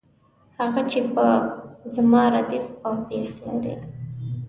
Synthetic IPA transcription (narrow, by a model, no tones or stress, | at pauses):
haɣat͡ʃepəzmɑɾad̪ifawpexla̰ɾḭ